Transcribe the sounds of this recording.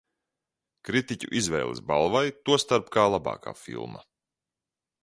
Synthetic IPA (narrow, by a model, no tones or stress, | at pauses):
kɾit̪icṵʔizvɛ̰jlˠḭsba̰lˠvajt̪uɔst̪aɾpkaːlˠabɑ̰ːkʰa̰ːfḭlˠmɐ̰